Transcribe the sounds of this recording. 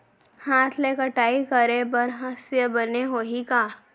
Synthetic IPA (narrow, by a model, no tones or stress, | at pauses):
haːt̪ʰlekəʈaːikɐɾebɐɾɦəsjəbɐneɦoːɦikaː